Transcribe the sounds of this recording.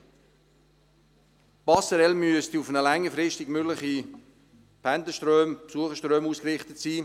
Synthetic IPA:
b̥ɑsəɾɛlmyəstiʊfənəlɛŋːəfɾɪstɪɡmʏɡləχi | pʰɛndəʃtrøːmpsuəχəʃtɾøːmuːskrɪχtətsiː

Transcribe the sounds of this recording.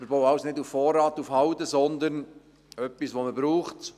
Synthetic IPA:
məbowɑʊsnɪduffɔːɾɑːt̪ufhɑwtəsɔnd̪ən | œpːisʋoməbɾuːχt

